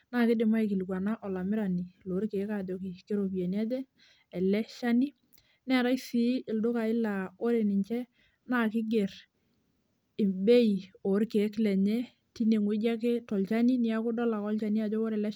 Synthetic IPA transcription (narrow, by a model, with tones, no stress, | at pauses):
na˦˨kɪ˦dɪ˨ma˦i˨kɪ˨lkwa˨na˦ʔɔ˨la˨mɪ˦ɾa˨ni˨lo˨˦ɾke˨˦ka˨d͡ʒo˨kɪ˨ke˦ɾo˨pjɛ˨n˦a˦dɛ˦ | ɛ˨lɛ˦ʃa˦ni˦ | nɛ˦ɾa˦jsi˦ʔɪ˨ldʊ˦ka˨ɪ˦la˨o˦ɾe˨nɪ˨ɲt͡ʃɛ˦ | na˦kɪ˦ɡe˨ɾ | ɪ˨mbe˦i˨o˨˦ɾke˨˦klɛ˨ɲɛ˦ | ti˦ne˨ŋwɪ˦d͡ʒa˦k̬ɪ˦tɔ˨lt͡ʃa˦ni˦nɪ˦ja˦kʊ˦dɔ˦la˨kɔ˦lt͡ʃa˨ni˦a˨d͡ʒo˦wo˦ɾɛ˨lɛ˦